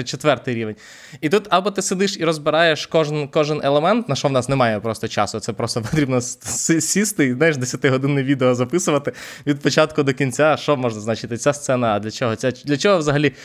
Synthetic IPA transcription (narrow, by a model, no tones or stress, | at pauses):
t͡ʃet̪ʋɛrt̪ɪjɾʲiʋenʲ | it̪ut̪ɐbɔt̪ɪsed̪ɪʃiɾɔzbɪɾɑjeʃkɔʒnkɔʒɪnelˠemɛnt̪nɐʃɔʋnɑsnɛmɑjɛpɾɔst̪ɔt͡ʃɑ̰sʊt̪sɛpɾɔst̪ɔpɔt̪ɾʲibnɔsssʲist̪ɪznajɪʃd̪esʲɐt̪ɪɦɔd̪ɪnɪjʋʲid̪eɔzɐpɪsʊʋɐt̪ɪʋʲid̪̚pɔt͡ʃɑt̪kʊd̪ɔkʲinʲt͡sʲaʃt͡ʃɔmɔʒnɐznat͡ʃɪt̪ɪt͡sʲast̪sɛnɐːd̪lʲɐt͡ʃɔɦɔt͡sʲad̪lʲɐt͡ʃɔɦɔʋzɐɦɐlʲi